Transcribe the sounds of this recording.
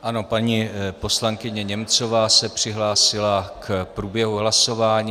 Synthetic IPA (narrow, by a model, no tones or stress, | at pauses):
ʔano̞paɲiːpo̞slaŋkɪɲɛɲɛmt͡so̞vaːsɛpr̝̥ɪɦlaːsɪlakpɾuːbjɛɦuɦlaso̞vaːɲiː